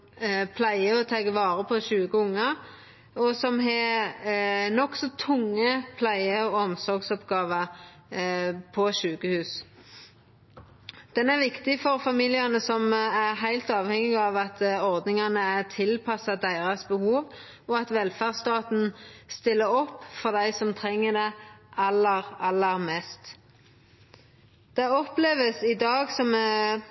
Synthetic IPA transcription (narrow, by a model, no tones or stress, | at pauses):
pʰlæɪəɔt̪ʰɑːɡəʋɑːɾəpʰɔʃʉːkəʊŋːɑ | ɔsɔmɦɛ | nɔksɔt̪ʰʊŋːəpʰlæɪəɔɔmsɔɾɡsɔpɡɑːʋɑ | pʰɔʃʉːkəhʉːs | d̪̥ɛnæʁʋɪkt̪ɪfɔɾfɑmiːlɪɑnəsɔmæʁɦæɪlt̪ɑːʋhɛŋɪɡɑːʋɑt̪ɔʁd̪nɪŋɑnəæʁt̪ʰɪlpʰɑsɑd̪æɪʁɑsbəhuːʋ | ɔɑt̪ʋɛlfæʁst̪ɑːt̪n̩st̪ɪlːəɔpːfɔʁd̪æɪsɔmt̪ʰʁɛŋːəd̪ɛʔɑlːəʁɑlːəɾmɛːst̪ | d̪̥ɛɔpleːʋəsɪd̪ɑːɡsɔm